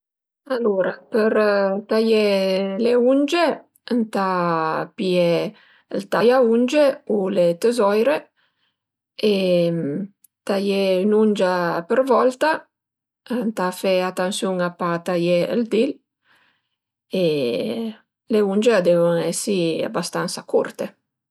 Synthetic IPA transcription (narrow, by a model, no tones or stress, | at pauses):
aluɾapəɾt̪ajeleund͡ʒe | ənt̪apie | əlt̪ajaund͡ʒeulet̪əzɔjɾe | em | t̪ajɛynund͡ʒapəɾvɔlt̪a | nt̪afɛat̪ansjuŋapat̪ajɛə̰ld̪il | e | leund͡ʒead̪ɛvuŋɛsia̰bast̪ansakurt̪e